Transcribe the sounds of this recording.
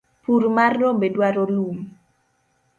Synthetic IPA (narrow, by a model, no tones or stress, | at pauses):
purmarːobedwaɾolum